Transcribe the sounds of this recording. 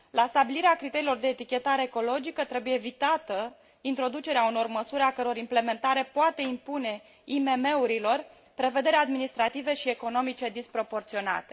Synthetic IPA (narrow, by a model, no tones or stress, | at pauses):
last̪abiliɾeakɾit̪e̞ɾilo̞rd̪e̞ːt̪ikʲe̞t̪aɾeːko̞lo̞d͡ʒikət̪ɾe̞buje̞ːvit̪at̪ə | int̪ɾo̞d̪ut͡ʃe̞ɾeauno̞rməsuɾeakəɾeo̞ɾimple̞me̞nt̪aɾe̞poat̪e̞impune̞ | ime̞me̞uɾilo̞r | pɾe̞ve̞d̪e̞ɾead̪minist̪ɾat̪ive̞ʃie̞ko̞no̞mit͡ʃe̞d̪ispɾo̞po̞rt̪sio̞na̰t̪e